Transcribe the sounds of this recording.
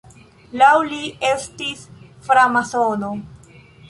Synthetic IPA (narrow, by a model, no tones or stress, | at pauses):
lawlie̞stisfɾamasono